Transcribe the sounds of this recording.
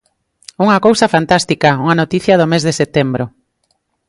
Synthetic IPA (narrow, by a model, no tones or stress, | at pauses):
uŋɐkowsɐfant̪ast̪ikauŋanot̪iθjɐðomezðeset̪embɾʊ